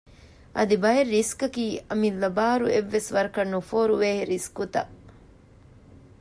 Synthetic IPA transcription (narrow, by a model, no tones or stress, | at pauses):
ʔɐd̪ibɐjerːiskɐkiːɐmilːɐbaːɾueʋːesʋɐɾɐkɐnːufoːɾuʋeːɦeɾiskut̪ɐ̰